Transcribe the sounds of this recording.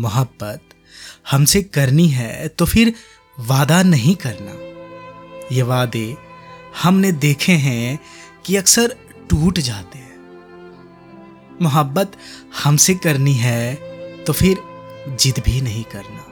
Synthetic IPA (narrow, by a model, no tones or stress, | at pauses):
mʊɦəbːət̪ | hɐmsekɐɾniɦɛt̪ofʰɪɾ | ʋaːd̪anɐɦĩkɐɾna̰ː | jeʋaːd̪e | hɐmned̪eːkʰeɦɛ̃ | kiɐksəɾ | ʈuːʈd͡ʒaːt̪eɦɛ̃ː | mʊɦəbːət̪hɐmsekɐɾniɦɛt̪ofʰɪɾd͡ʒɪt̪bʱinɐɦĩkɐɾnaː